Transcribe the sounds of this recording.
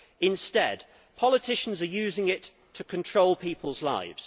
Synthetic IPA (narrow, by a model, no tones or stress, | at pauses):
ɪ̃nstɛd | pʰɒlɪtʰɪʃə̃n̩zəjʉːzɪ̃ŋɪtʰ | əkʰə̃ntʰɹ̥oʊlˠpʰiˑpʰəlˠzla̰ɪvz̥